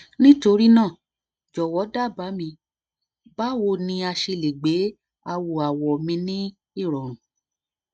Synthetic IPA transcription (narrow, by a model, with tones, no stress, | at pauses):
nĩ˦to˧ɾi˦nãː˦˨ | d͡ʒɔ˨wɔ˨˦da˦˨ba˨˦mĩ˧ | ba˦wo˧˨nĩ˧a˧ʃe˧le˨ɡ͡be˨˦ | a˧wo˨a˨wɔ˨mĩ˧nĩ˦ | i˦˨ɾɔ˨ɾ̃ũ˨